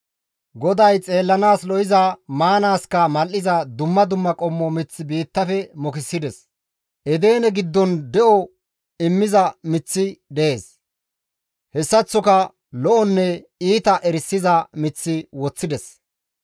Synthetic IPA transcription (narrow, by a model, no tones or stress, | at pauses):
ɡɔd̪ɐjt͡sʼe̞ːlːɐnaːslɔjɪzɐmaːnaːskɐmɐlʔːɪzɐd̪ʊmːɐd̪ʊmːɐkʼɔmːɔmɪt͡sːɪbiːt̪ːɐfɛmɔkɪsːɪd̪ɛs | ʔɛd̪e̞ːnɛɡɪd̪ːɔnd̪ɛʔɔ | ɪmːɪzɐmɪt͡sːɪd̪ɛʔeːs | hɛsːɐt͡sːɔkɐ | lɔʔɔnːɛ | iːt̪ɐʔɛɾɪsːɪzɐmɪt͡sːɪwɔt͡sːɪd̪ɛs